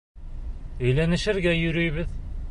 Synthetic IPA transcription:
ɵ̆jlænɘ̆ʃɘ̆ɾɡæjɵ̆ɾɵ̆jβɘð

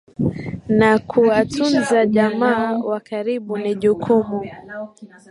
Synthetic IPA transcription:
nakʰuatunzaʄamaːwakaɾiɓuniʄukʰumu

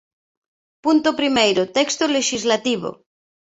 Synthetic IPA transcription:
punt̪opɾimejɾot̪ekst̪oleʃizlat̪iβ̞o̰

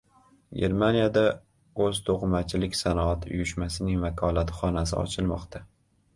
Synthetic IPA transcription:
ɡʲe̞ɾmanijad̪a | ɵzt̪ʰoʁmat͡ʃʰɪlɪkʲsanɒat̪ʊ̰jʊʃmasɪnɪŋvakʰɒlˠat̪χɒnasɪ̰ɒ̰t͡ʃʰɪlˠmɒ̰qt̪ʰa

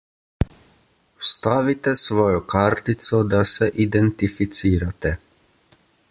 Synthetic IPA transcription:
wst̪aːʋit̪ɛsʋɔːjɔkaːɾt̪it̪sɔd̪asɛʔid̪ɛnt̪ifit̪siːɾat̪ɛ

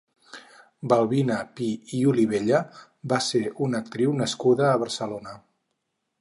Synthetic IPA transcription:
bəlˠβinəpiiuliβ̞eʎə | baseʔunək̚t̪ɾiwnəskuðəːβəɾsəlonə

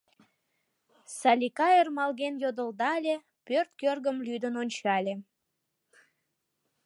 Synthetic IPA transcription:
sɑlʲikɑjərmɑlɣenjod̪əld̪ɑlʲe | pørt̪̚kørɣəmlyd̪ənonʲt͡ɕɑlʲe

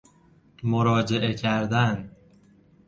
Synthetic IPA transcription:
moɾɒːd͡ʒe̞ʔecʰæɾd̪æn

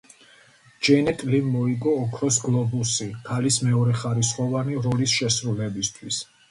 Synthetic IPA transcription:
d͡ʒɛnɛt̪ʼlivmɔiɡɔːkʰɾɔs̬ɡlˠɔbusikʰalismɛɔɾɛχaɾisχɔvaniɾɔlisʃɛsɾulɛbist̪ʰwis

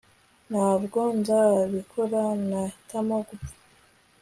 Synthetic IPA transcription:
naːβɡonzaβikʰoɾanatamoɡu

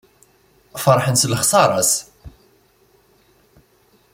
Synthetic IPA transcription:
fɑɾˤħənsləχsɑɾˤɑs

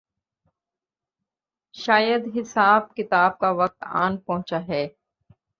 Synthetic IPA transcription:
ʃaːjəd̪ɦɪsaːb̚kɪt̪aːb̚kaʋɐk̚t̪a̰ːnpɔ̃ɦʊ̃t͡ʃaɦɛː

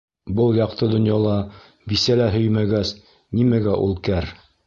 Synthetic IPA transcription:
bɤlˠjɑq̚t̪ɤd̪ŏnjɑlˠɑ | bisælæɦɵjmæɡæs | nimæɡæʔṵlˠkæɾ

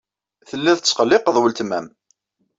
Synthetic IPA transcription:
θəlːæθət͡sːχəlːɪqəðˤwəlt̪mæm

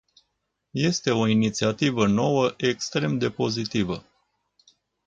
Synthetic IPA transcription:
je̞st̪e̞o̞init̪siat̪ivəno̞wəʔe̞kst̪ɾe̞md̪e̞po̞zit̪ivə̰

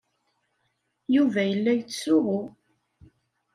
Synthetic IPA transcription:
juvæjəlːæjt͡sːsʊʁʊ

